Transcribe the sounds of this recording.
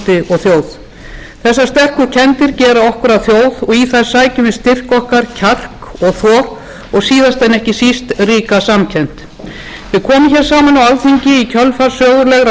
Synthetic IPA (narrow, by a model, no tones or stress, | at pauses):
t̪ɪɔɣθjoːwð | θɛsːast̪ɛr̥kʏcʰɛnt̪ɪɾcɛːɾaɔhkʏɾaðθjowðɔɣiθajɾ̥saːjcʏmvɪðst̪ɪr̥kɔhkaɾ̥cʰar̥kɔɣθɔ | ɔɣsiːðast̪ɛnːɛhcɪsist̪riːkasamcʰɛn̥t̪ | vɪðkʰɔːmɪmçɛɾ̥saːmanawalθiɲcɪicʰœlfaɾ̥sœːɣʏɾlɛɣɾa